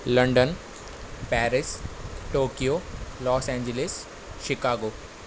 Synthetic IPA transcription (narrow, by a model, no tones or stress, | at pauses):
lɐɳɖən | pɛːɾɪsʈoːkijoːlɔːsɛ̃ːɲd͡ʒelɪs | ʃɪkaːɡoː